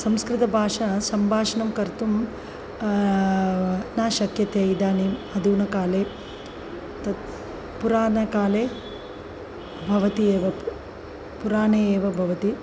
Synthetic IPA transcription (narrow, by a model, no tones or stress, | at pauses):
sɐmskɾɪt̪ɐbʱaːʂɐsɐmbʱaːʂɐnɐmkɐɾt̪um | naːʃɐkjɐt̪eɐjd̪aːniːmɐd̪uːnɐkaːleː | t̪ɐ | puɾaːnɐkaːleː | bʱɐʋɐt̪ieːʋɐ | puɾaːneːeːʋɐbʱɐʋɐt̪i